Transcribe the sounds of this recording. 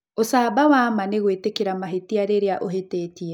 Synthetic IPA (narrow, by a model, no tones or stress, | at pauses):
osaːbawaːmaneɣwetekeɾamaɦetiaɾeɾeaʔoɦeteːtiɛ